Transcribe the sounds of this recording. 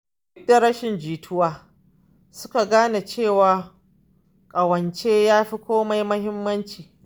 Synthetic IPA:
ɪ˦k̚da˨ɾɐ˦ʃɪ˨nd͡ʒiː˨tʰʊ˦waː˨ | sʊ˦ka˨ɡaː˦na˨t͡ʃeː˦˨waː˨ | kʼɐ˨wɐ˨nt͡ʃeː˦jaː˦ɸi˦kʷoː˦ma˦jmɐ˦hɪ˦mːɐ˦nt͡ʃiː˨

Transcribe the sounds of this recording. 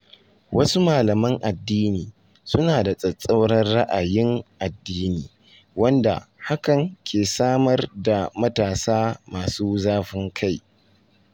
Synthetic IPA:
wɐ˦su˦maː˨lɐ˨mɐ˦ŋʔa˨dːiː˦niː˨ | sʊ˦naː˨da˨sʼɐ˨sʼɐ˦wɽɐ˦rːa˦ʔa˨jɪ˦ŋʔa˨dːiː˦niː˨ | wɐ˦nda̰˨ha˦kɐ˨ŋkʲʰeː˨saː˦mɐ˦rda˨mɐ˦taː˨saː˦maː˨suː˦zaː˦ɸɪ˦ŋkʰa˦˨j

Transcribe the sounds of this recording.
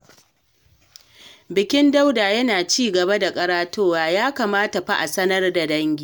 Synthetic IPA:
bɪ˨kʲɪ˦nda˦wdaː˨jɐ˦naː˨t͡ʃiː˦ɡɐ˨ba˦da˨kʼɐ˦ɾaː˦toː˦waː˨jaː˦kaː˨maː˦ta˨ɸa˦ʔa˨sɐ˦nɐ˦rda˨dɐ˦ŋɡʲiː˦

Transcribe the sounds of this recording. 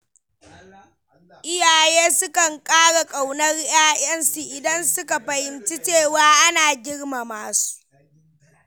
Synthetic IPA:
ʔɪ˦jaː˨jeː˦sʊ˦kɐ˨ŋkʼaː˦ɽa˨kʼa˨wnɐ˦rjaː˦j̰ɐ˦nsu˨ʔɪ˨dɐ˦nsʊ˦ka˨ɸɐ˨hɪ˨nt͡ʃi˦t͡ʃeː˦˨waː˦ʔa˦naː˨ɡʲɪ˦rma˨maː˨su̥˦ʔ

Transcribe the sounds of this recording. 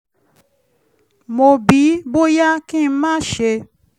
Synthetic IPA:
mo˨bi˨˦bo˦ja˦kĩ˦˨˦mãː˦ʃe˧

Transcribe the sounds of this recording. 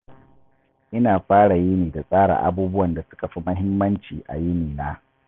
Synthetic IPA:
ʔɪ˦naː˨ɸaː˦ɽa˨jɪ˦niː˨da˨sʼaː˦ɽa̰˨ʔa̰˨buː˦bʊ˦wɐ˨nda˨sʊ̥˦ka˨ɸi˦mɐ˦ɦɪ˦mːɐ˦nt͡ʃiː˨ʔa̰˨jɪ˦niː˨naː˦

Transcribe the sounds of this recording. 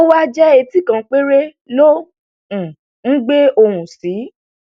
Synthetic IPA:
o˦wa˦d͡ʒɛ˦e˧ti˦kã˧k͡pe˦ɾe˦ | lo˦ | ũ˨ | ŋ̩˦ɡ͡be˦o˧ɾũ˨si˨˦

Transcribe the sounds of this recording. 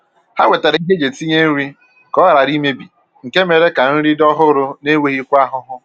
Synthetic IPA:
ha˦wʷe˨te˨ɾɪ˨˦ɦe˦d͡ʒe˨ti˦ɲe˦n̩˦ɾi˦ | kɔ˦a˦˨ɾa˨ɾi˦me˦bi˨ | ŋ̩˨ke˦me˨ɾe˦ka˨n̩˦ɾi˦dɔ˦ɦʊ˦ɾʊ˦ne˦we˦ɣi˦kʷa˦ɦʊ˦ɦʊ˦

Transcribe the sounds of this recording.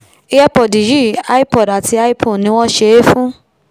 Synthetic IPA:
i˦ɛ˦pɔ˨di˨ji˦˨a˦i˦pɔ˨da˨ti˧˦a˦i˦pʰõ˦˨nĩ˧˦w̃ɔ̃˦ʃe˧˦fũ˦

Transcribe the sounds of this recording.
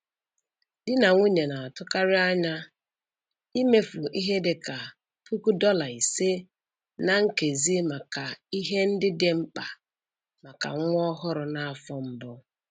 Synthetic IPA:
dɪ˦na˨ŋʷu˦ɲe˨na˨a˨tʊ˦ka˦ɾɪ˦a˦ɲa˦ | i˦me˦fu˨ʔi˦ɦe˦dɪ˨ka˨ | pʰu˦ku˦dɔ˦la˨i˨se˦ | na˨ŋ̩˦ke˨zi˦ma˨ka˨i˦ɦe˦n̩˦dɪ˦dɪ˨ŋ͡m̩˦k͡pa˨ | ma˨ka̰˨˦ʊ˦ɔ˦ɦʊ˦ɾʊ˨na˨a˨fɔ˦m̩˦bʊ˦

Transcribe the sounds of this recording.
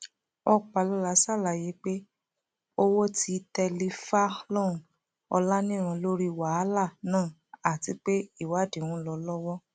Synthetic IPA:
ɔ˧k͡pa˨lɔ˦la˨˧˦sa˦˨la˨je˨˦k͡pe˦ | o˦wo˦ti˧tɛ˧li˧fa˦lɔ̃˦˨ | ɔ̰˧la˦nĩ˦˨ɾ̃ã˧lo˦ɾi˦wa˦la˦˨nãː˦˨ | a˨ti˨˧˦k͡pe˦i˦˨wa˨˦˨dĩ˨w̃ũ˧˦lɔ˧lɔ˦wɔ˦

